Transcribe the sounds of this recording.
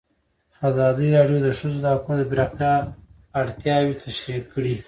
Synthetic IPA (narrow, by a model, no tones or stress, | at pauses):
azɑd̪iɾɑɖjod̪əʂəzod̪əhakunod̪əbɪɾɑqt̪jɑ | aɽt̪jɑwit̪ʰaʃɾiqkəɽi